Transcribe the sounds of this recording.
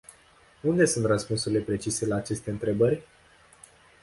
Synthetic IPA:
und̪e̞sunt̪rəspunsuɾile̞pɾe̞t͡ʃise̞laːt͡ʃe̞st̪e̞ɨnt̪ɾe̞bərʲ

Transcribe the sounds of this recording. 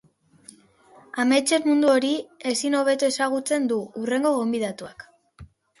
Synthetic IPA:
ame̞t͡ʃe̞ɾmund̪uo̞ɾie̞sino̞β̞e̞t̪ue̞saɣ̞ut͡se̞nd̪uure̞ŋɡo̞ɣo̞mbið̞at̪uak

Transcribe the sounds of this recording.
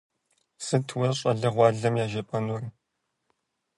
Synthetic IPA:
sɨtʰwɐrɕʼɐɮɐʁʷɑːɮɐmjaːʒɐpʼɐnur

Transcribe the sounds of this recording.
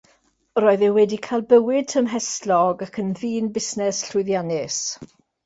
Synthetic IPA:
ɾoːɨðɛwɛdikʰalˠbəwɪd̥̚tʰəmɦɛstlɔɡakʰənðiːnbɪsnɛsɬʊɨðjanɪs

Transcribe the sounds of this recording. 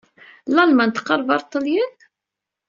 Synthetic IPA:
lɑlmænt̪ːqːɑɾˤvɑɾˤt̪ˤːəljən

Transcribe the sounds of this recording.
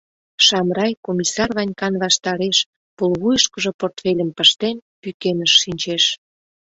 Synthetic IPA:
ʃɑmrɑjkomʲisɑrβɑnʲkɑnβɑʃt̪ɑɾeʃ | polβujəʃkə̆ʒoport̪felʲəmpəʃt̪enpykenəʃːinʲt͡ɕeʃ

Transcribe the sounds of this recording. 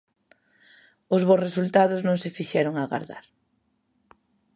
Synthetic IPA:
ʊzβoresult̪aðʊznõŋsefiʃɛɾoŋaɣa̰ɾða̰ɾ

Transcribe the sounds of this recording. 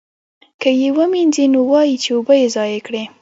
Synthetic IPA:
kəjewəminzinowɑjit͡ʃewobajezɑjekɽe

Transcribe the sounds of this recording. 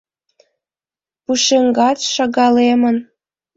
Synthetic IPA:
puʃeŋɡɑt͡sʃɑɣɑlemə̆n

